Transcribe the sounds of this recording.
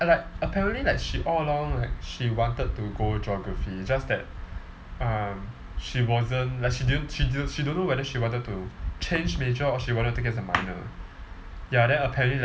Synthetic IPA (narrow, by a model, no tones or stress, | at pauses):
laɪk̚əpʰɛɹə̃nʔlilaɪkʃiʔɔləlɔ̃ŋlaɪk̚ʃiwɔ̃ntəd̚tuɡod͡ʒɔɡɹəfid͡ʒasdɛt̚ | ʌ̃m | ʃiwɔzə̃nlaɪkʃididə̃nʃididʃidõnːowɛdəʃiwɔ̃ntəd̚tut͡ʃʰẽnd͡ʒmet͡ʃəɔʃiwɔ̃ntət̚tːukɛsəmã̰ɪnə̰ | jadɛ̃nəpʰɛɹə̃nlil